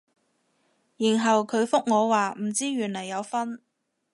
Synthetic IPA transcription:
jiː˨˩nɦɐ˨wkʰɵ˨˧ɥfʊ˥k̚ŋɔː˨˧waː˨m̩˨˩t͡siː˥ɥyː˨˩nlɐ˨˩jːɐ˨˧wfɐ˥n

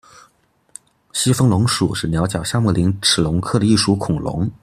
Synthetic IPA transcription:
ɕi˥fɤ˥ŋlʊ˧˥ŋʂu˨˩ʂɻ̩˥˩njɑ˧˥ʊt͡ɕjɑ˨˩ʊɕja˥mu˥˩li˧˥ŋʈ͡ʂʰɻ̩˨˩lʊ˧˥ŋkʰɤ˥˩d̪ə˧i˥˩ʂu˧˥kʰʊ˨˩ŋlʊ̰˧˥ŋ

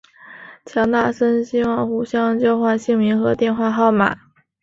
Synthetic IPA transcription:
t͡ɕʰjɑ˧˥ŋt̪a˥˩ʂə˥nɕi˥wɑ˥˩ŋxu˧˥˩ɕjɑ˥ŋt͡ɕjo˥˧ʊxwa˥˧nɕi˥˩ŋmi˧˥ŋxɤ˧˥t̪jɛ˥˧nxwa˥˧xɑ˥˩ʊma̰˨˩˦

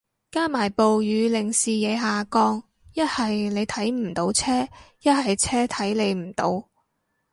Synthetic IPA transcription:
kaː˥maː˨˩jpo˨wjyː˨˧lɪ˨˩ŋsiː˨jɛː˨˧ɦaː˨kɔː˧ŋ | jɐ˥t̚hɐ˨jle˨˧jt̪ʰɐ˨˥jm̩˨˩t̪o˨˥wt͡sʰɛː˥jɐ˥t̚hɐ˨jt͡sʰɛː˥t̪ʰɐ˨˥jle˨˧jm̩˨˩t̪o̰˨˧w

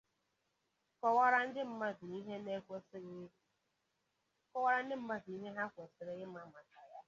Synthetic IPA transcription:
kɔ˨wa˦ɾa˦n̩˦dɪ˦m̩˦ma˦d̩˨ni˦ɦe˦ne˦ | kɔ˦wa˦ɾa˦n̩˦dɪ˦m̩˦ma˦di˦ɦe˦ɦa˦kʷɔ˨sɪ˨ɾɪ˦ɣɪ˦m˦a˨ma˨ta˨ja˦

